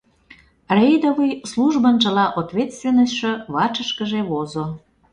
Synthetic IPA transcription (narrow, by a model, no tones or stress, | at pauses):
rejd̪ovəjsluʒbənʒə̆lɑʔot̪vʲet̪st̪vʲenːəsʃə̆βɑt͡ʃəʃkəʒeβozo